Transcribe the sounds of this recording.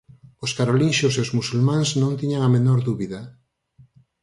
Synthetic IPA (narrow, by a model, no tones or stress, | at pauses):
oskaɾolinʃoseozmusulmãŋznõnt̪iɲaŋamenoɾðuβiða